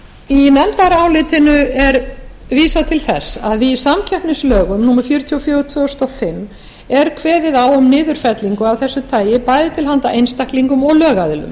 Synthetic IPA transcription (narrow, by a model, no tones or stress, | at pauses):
inɛmt̪aɾaːwlɪt̪ʰɪnʏɛɾviːsat̪ʰɪlθɛsːaðisamcʰɛhpnɪslœːɣʏmnuːmaɾfjʏɾt̪ʰjiɔfjœːʏt̪ʰvœːɔst̪ɔfɪmː | ɛɾkʰvɛːðɪðawʏmnɪːðʏɾ̥fɛt̪liŋkʏawθɛsːʏt̪ʰaːjɪpaːjðɪt̪ʰɪlɦant̪aʔejnst̪akliŋkʏmɔɣlœːɣaðɪlʏ̰m